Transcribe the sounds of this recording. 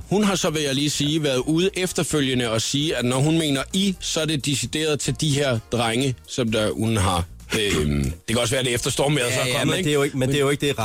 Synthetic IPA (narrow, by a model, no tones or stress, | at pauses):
hunɦɑ̈sɒ̽ʋe̝jæliːsiːʋæɐð̩ˠuð̩ˠʔefd̥ɐføl̰jənəɒ̽siːædnɒɦunme̝̰ːnɐisɒ̽æɐd̥e̝d̥isid̥e̝̰ːɐð̞̩ˠt͡sʰe̝ld̥iɦeɐ̰d̥ʁaŋəsɒ̽md̥æhunɦɑ̈ | ød̥ekʰæɒsʋæːɐd̥e̝efd̥ɐsd̥ɒ̰ːmeðˠsɒ̽ɒn̩ˠeɡ̥ejoɡmend̥ejoeɡ̥d̥e̝